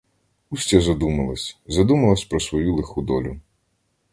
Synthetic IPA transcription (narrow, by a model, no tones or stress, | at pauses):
usʲtʲɛzɐd̪umɐlˠɐsʲzɐd̪umɐlˠɐsʲpɾɔsʋɔjulˠexud̪ɔlʲʊ